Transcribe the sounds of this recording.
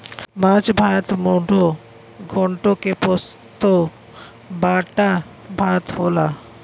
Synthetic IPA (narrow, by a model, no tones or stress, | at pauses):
mat͡ʃbʱat̪moɖʱo | ɡʱɔɳʈokepost̪o | baʈa | bʱat̪ɦola